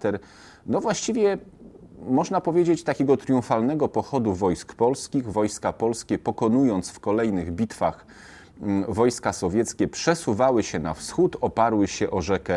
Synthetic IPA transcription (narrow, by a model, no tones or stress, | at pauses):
t̪ɛɾ | nɔvwaɕt͡ɕivʲjɛ | mɔʐnapɔvʲjed͡ʑet͡ɕt̪akʲɛɡɔt̪ɾjũfalnɛɡɔpɔxɔd̪uvɔjskpɔlskʲiɣvɔjskapɔlskʲɛpɔkɔnujɔnt̪sfkɔlɛjnɘɣbʲit̪fa̰x | vɔjskasɔvʲjɛt̪skʲɛpʂɛsuvawɘɕɛna̰fsxut̪ɔpaɾwɘɕɛʔɔʐɛkɛ